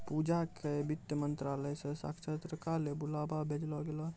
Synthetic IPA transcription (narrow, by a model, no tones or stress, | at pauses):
pud͡ʒakebit̪ːjəmənt̪ɾaləjsẽsa̰kʰt͡ʃʰət̪ɾəkalebulababʱed͡ʒlɔɡelɔ